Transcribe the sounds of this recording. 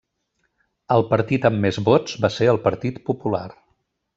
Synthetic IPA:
əlˠpəɾt̪it̪əmːezβod͡zbaseəlˠpəɾt̪it̪pupula̰r

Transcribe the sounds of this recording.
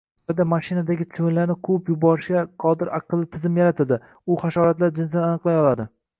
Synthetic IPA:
ɒd̪amaʃɪnad̪aɡʲɪt̪ʰt͡ʃvɪnlaɾnɪkʰʊpjʊbɒɾɪʃkʲaqʰɒd̪ɪɾʔaqʰɨlˠːɪt̪ʰɪzɪmjaɾat̪ʰɪld̪ɪ | ʊχaʃɒɾat̪laɾd͡ʒɪns̬d̪ananɨqlˠajɒlˠad̪ɪ

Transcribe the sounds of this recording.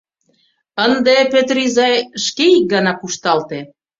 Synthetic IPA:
ənd̪epet̪rizɑjʃkeik̚ɡɑnɑkuʃt̪ɑlt̪e

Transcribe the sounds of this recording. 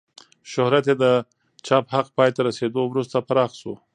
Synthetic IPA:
ʃʊhɾat̪jed̪ə | t͡ʃɑphaq̚pɑjet̪aɾased̪owɾust̪apaɾɑxso̰

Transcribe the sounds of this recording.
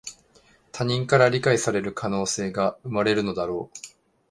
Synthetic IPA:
t̪ʰaɲ̟ĩŋkaɾaɾʲikaisaɾe̞ɾɯ̟kʰano̞ːse̞ːɡaɯ̟maɾe̞ɾɯ̟no̞d̪aɾo̞ː

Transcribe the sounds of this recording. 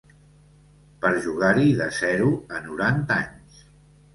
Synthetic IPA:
pəɾʒuɣ̞aɾiðəzɛɾuənuɾant̪a̰ɲs

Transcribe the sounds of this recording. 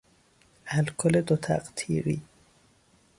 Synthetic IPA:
ælkʰoled̪ot̪ʰæ̰qt̪ʰḭːɾḭ

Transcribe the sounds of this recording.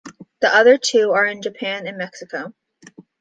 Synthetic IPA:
ðiʔʌðə˞tʰʉə˞ɨ̃nd͡ʒɨpʰæ̃nɨ̃nmɛksɨkoʊ

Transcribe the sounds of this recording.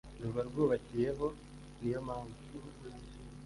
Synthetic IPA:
ɾuβaɾɡoːβacije̞ɦo̞ | nijomaːŋɡu

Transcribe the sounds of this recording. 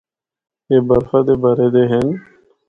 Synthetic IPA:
ebɐɾfad̪ebɐɾed̪eɦen

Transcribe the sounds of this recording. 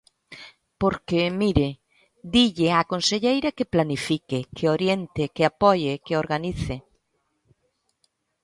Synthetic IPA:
poɾkemiɾɪ | d̪iʎɪakonseʎejɾakeplanifikɪkʰeoɾjent̪ɪkeapɔjekeoɾɣaniθɪ

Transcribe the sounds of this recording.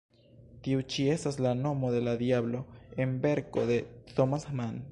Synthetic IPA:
tiut͡ʃie̞staslano̞mo̞d̪e̞lad̪iablo̞e̞nbe̞ɾko̞d̪e̞t̪omasman

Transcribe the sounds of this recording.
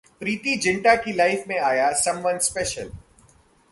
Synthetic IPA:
pɾiːt̪id͡ʒɪ̃ɳʈakilaɪfmẽaːjasɐ̃mʋɐnspɛːʃəl

